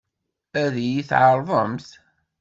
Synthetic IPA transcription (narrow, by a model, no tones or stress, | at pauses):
æðijiθʕəɾˤvˤəmθ